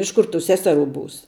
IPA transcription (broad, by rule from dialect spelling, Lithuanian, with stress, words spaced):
ˈɪʃ ˌkʊr tuː ˈsʲæːsʲɛˌruː ˈbuːs